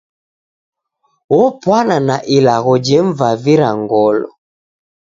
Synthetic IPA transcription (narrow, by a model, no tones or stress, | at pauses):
wɔpwananaʔilaɣɔd͡ʒɛɱvaviɾaŋɡɔlɔ̰